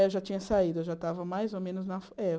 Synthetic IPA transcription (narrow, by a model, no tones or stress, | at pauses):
ewʒat͡ʃĩɲɐsaid̪ʊewʒat̪avɐmajzowmẽnʊznɐfɛ